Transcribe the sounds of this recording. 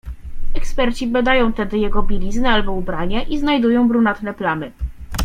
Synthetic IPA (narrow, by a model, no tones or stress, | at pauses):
ɛkspɛɾt͡ɕibad̪ajɔ̃w̃t̪ɛd̪ɘjɛɡɔbʲilʲiznɘalbɔubɾaɲɛʔiznajd̪ujɔ̃w̃bɾunat̪nɛplamɘ